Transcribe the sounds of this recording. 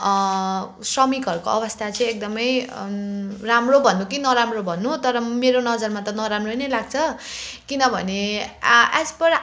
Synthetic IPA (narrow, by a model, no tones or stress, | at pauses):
srʌmikʌrkoʌbʌst̪ʰat͡sʌ̃j̃ek̚d̪ʌmʌj | ramrobʱʌnːuk̬inʌɾamrobʱʌnːut̪ʌɾʌmeɾonʌd͡zʌrmat̪ʌnʌɾamrojnʌjlaɡt͡sʰʌ | kinʌbʱʌ̰ne | aspʌɾ